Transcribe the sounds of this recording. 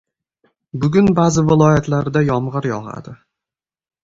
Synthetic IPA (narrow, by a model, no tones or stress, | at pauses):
bʊɡʲʊnbazɪvɪlˠɒjat̪ʰlaɾd̪ajɒmʁɨɾjɒʁa̰d̪ɪ